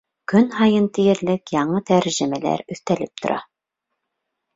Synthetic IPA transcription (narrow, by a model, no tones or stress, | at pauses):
kɵnhɑjɤnt̪ijɘ̆ɾlɘkjɑɴɤt̪æɾʒɘ̆mælæ̰ɾɵ̆θt̪ælɘp̚t̪ʰŏɾʔɑ̰